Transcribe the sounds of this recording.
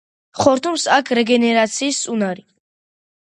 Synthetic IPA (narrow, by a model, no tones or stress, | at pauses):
χɔɾt̪ʰʼumsakʰɾɛɡɛnɛɾat̪sʰiːssunaɾi